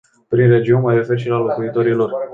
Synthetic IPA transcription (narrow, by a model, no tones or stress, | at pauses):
pɾinre̞d͡ʒiunmajre̞fe̞ɾʃilalo̞kuit̪o̞ɾilo̞r